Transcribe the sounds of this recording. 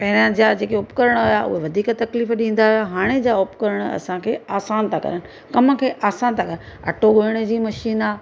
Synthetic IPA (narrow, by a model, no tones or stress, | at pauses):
pɐɦɪɾãd͡ʑad͡ʑeːkeʊpkɐɾəɽ̃ojaʔʊ̰ɦeʋɐd̪ʱiːkt̪ɐkliːfɗĩːn̆d̪aɦijaɦaːɽ̃ed͡ʑaʊpkɐɾəɽ̃ʊɐ̰sãkʰeːaːsaːnt̪ʰakɐ̰ɾəɽɪ̆ | kɐmə̆kʰeːʔaːsaːnt̪ʰakɐɾə | ɐ̰ʈʰoɡoɪɽ̃ə̆d͡ʑiːmɐʃiːnaː